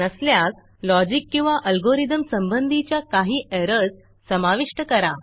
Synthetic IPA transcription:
əsljak̚ | lɔd͡ʑikːĩw̃ʋaʔəlɡoɾid̪əmsəmbənd̪ʱit͡ɕjakaɦiːʔɛɾəd͡z | səmaʋiʂʈəkəɾa

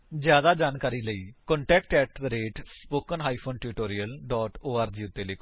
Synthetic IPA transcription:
d͡ʒjaːd̪aːd͡ʒaːnkaːɾiːləiːkɔ̃ːɳʈɛːkʈɛːʈ̪ɾeːʈspoːkənɦaːiːpʰoːnʈuːʈoːɾiəlɖɔːʈoːaːɾd͡ʒiːʊt̪ːeːleːkʰː

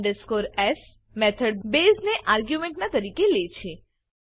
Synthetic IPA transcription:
ɖəskoɾɛs | mɛt̪ʰəɽbezneʔaɾɡjumẽɳʈnat̪əɾikelet͡ʃʰe

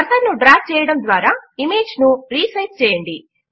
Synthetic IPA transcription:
ɐɾsɐɾnuɖɾaːf̚t͡ʃɛːjɐɽɐmd̪ʋaːɾaːimeːd͡ʒnuɾiːsɐjʈ̚t͡ʃɛːjɐɳɖi

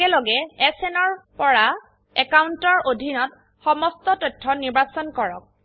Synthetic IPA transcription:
ɛlɔɡɛɛsɛnɔɹpɔɹa | ɛkawntɔɹʔodʱinɔt̚ | xɔmɔstɔtɔjtʰːɔniɹbasɔnkɔɹɔk̚

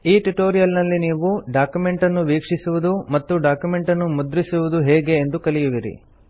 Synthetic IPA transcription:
iːʈuʈoːɾijɐlnɐlːiniːʋuɖaːkjume̞ɳʈɐnːuʋiːkʂisuʋud̪umɐt̪ːuɖaːkjume̞ɳʈɐnːumud̪ɾisuʋud̪uɦɛːɡe̞ːnd̪ukɐlijuʋiɾḭ

